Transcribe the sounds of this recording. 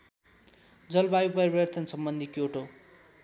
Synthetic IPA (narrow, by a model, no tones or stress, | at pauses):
d͡zʌlbajupʌɾibjʌrt̪ʰʌnsʌmbʌnd̪ʱikjoʈo